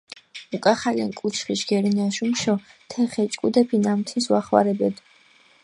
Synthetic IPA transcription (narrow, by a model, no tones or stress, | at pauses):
ukʼaχalia̰nkʼut͡ʃʰχiʃɡ̥ɛɾinaʃumʃɔt̪ʰɛχɛt͡ʃʼkʼud̪ɛpʰinamt̪ʰinswaχwa̰ɾɛbɛd̪